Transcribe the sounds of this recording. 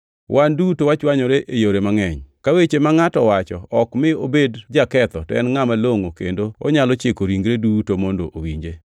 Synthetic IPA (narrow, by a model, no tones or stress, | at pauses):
wʔandutowat͡ʃwaɲoɾeʔejoɾemaŋɛɲkawet͡ʃemaŋatɔwat͡ʃɔɔkmɪobedd͡ʒakɛt̪ɔtɔɛnŋamaloŋokendoɔ̰ɲalɔt͡ʃekoɾiŋɡɾedutomɔndoʔowiɲd͡ʒe